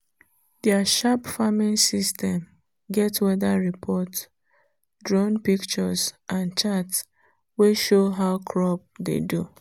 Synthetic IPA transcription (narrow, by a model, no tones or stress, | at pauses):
dɛaʃapfamĩnsistɛ̃m | ɡɛtwɛdaɹipʰɔt | dɹɔ̃npikt͡ʃɔsʔãnt͡ʃats | weʃoɦaʊkʰɹɔp̚dḛdu